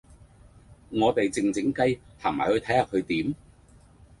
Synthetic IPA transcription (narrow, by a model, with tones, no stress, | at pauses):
ŋɔː˨˧t̪e˨jt͡sɪ˨ŋt͡sɪ˨˥ŋkɐ˧jt̪ʰaː˨˩maː˨˩hɵ˧ɥt̪ʰɐ˨˥jhaː˨p̚kʰɵ˨˧ɥt̪iː˨˥m